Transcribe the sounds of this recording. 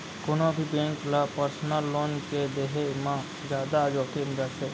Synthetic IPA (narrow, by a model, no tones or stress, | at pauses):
konõbʱibẽːŋklapəɾsnəlːoːnked̪eːɦemã | d͡ʒjaːd̪ad͡ʒoːkenbəse